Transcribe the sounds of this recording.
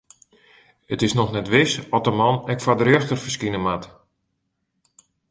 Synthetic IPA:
ətɪsnɔxnɛtʋɪsɔtəmɔnɛkfadərjøxtərfərskinəmat

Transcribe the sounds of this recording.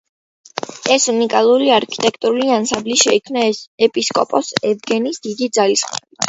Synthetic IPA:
ɛsunikʼalˠuɾiaɾkʰi̥t̪ʼɛkʼt̪ʼuɾuliansabliʃɛikʰmnaɛpʼiskʼɔpʼɔsɛd̪ɡɛnisd̪̥id̪id̪zalisχɔ̰ɾba

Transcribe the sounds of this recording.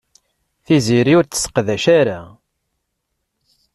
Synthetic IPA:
θiziɾiʊɾt͡sːə̥sə̥qðæʃaɾa

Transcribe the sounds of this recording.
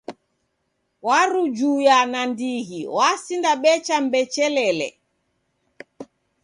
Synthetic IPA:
waɾud͡ʒuːjanandiːɡiwasindaɓɛt͡ʃambɛt͡ʃɛlɛlɛ̰

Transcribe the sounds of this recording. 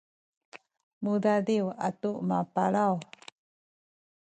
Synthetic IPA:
mudadiwa̰tumapaɭaw

